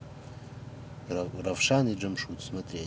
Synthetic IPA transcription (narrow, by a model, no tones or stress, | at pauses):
ravʂaniɖ͡ʐɨmʂut͡smɨtʰʼria